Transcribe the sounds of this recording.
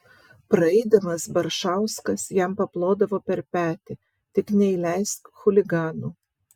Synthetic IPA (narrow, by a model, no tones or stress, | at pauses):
pɾɐɛɪd̪ɐmɐsbɐɾʃɑˑʊskɐsjɛmpɐplˠoːd̪ɐʋoːpʲɛɾpʲæːt̪ʲɪ | t̪ʲɪknʲɛɪlʲɛɪst̪xʊlʲɪɡɑːnuː